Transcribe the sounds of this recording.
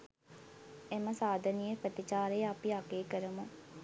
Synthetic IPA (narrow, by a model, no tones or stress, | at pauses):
eməsaːd̪ʱənijəpɾət̪it͡ʃaːɾejəapiaɡeːkəɾəmu